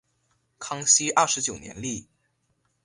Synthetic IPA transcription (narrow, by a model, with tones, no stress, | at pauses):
kʰɑ˥ŋɕi˥ʔɐ˥˩ʂɻ̩˧˥t͡ɕjo˨˩ʊnjɛ̰˧˥nli˥˩